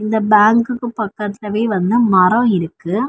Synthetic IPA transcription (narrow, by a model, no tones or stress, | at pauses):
ɪnd̪ɐbaːŋkɯkːɯpɐkːɐt̪ːɪlɐʋeːʋɐnd̪ɯmɐɾɐ̃ɪɾɯkːɯ